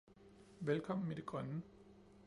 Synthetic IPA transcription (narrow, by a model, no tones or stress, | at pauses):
ʋelkʰɒ̽m̰n̩med̥e̝ɡ̥ʁɶnə